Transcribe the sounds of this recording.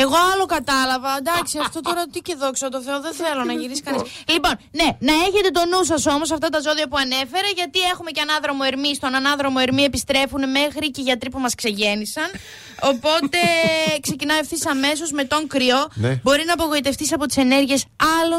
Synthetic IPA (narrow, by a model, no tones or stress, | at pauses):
e̞ɣo̞ɐlo̞kɐt̪ɐlɐvɐd̪ɐksiɐft̪o̞t̪o̞ɾɐt̪iceðo̞ksot̪oθe̞oðenθe̞lo̞nɐʝiɾisi̥kɐnislipo̞nne̞nɐe̞çe̞t̪e̞t̪o̞nus̬ɐso̞mo̞s̬ɐft̪ɐt̪ɐzo̞ðiɐpuɐne̞fe̞ɾeʝɐt̪ie̞xume̞ceɐnɐðɾo̞moeɾmist̪o̞nɐnɐðɾo̞moeɾmie̞pist̪ɾe̞funeme̞xɾiceʝɐt̪ɾipumɐskse̞ʝe̞nisɐn | o̞po̞t̪e̞kse̞cinɐefθisɐme̞s̬o̞zme̞t̪o̞ŋkɾio̞bo̞ɾinɐːpo̞ɣo̞it̪e̞ft̪isɐpo̞t̪i̥sene̞ɾʝie̞sɐlo